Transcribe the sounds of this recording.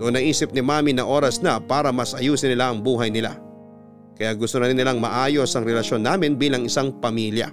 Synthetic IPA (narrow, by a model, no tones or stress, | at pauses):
noʔonːɐʔiːsɪp̚nɪmaːminɐʔo̞ːɾɐsnɐpaːɾɐmɐsʔɐjuːsɪnɪlaʔɐŋbuːɦɐjnɪla̰ | kɐjaɡʊst̪onɐɾɪnːɪlaŋmɐʔaːjo̞sɐŋɾɛlɐʃjo̞nːaːmɪnbiːlɐŋɪsaŋpɐmiljɐ̰